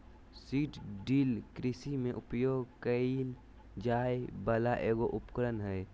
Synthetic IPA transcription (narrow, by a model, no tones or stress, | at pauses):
siːʈɖiːlkɾɪsimẽʔʊpjoːɡkəil | d͡ʒaːjbəlaʔeːɡoʔʊpkɾənɦɛj